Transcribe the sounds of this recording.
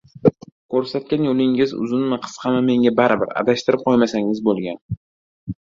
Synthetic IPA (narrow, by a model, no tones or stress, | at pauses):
kʰɵɾsat̪̚kʲanjolɪŋɪzʊ̰zɪnmaqʰɨ̥sqʰɑmame̞ŋʲabaɾɪbɪɾa̰d̪aʃt̪ɪɾɪp̚qʰɒjmasaŋɪzbolˠɡʲan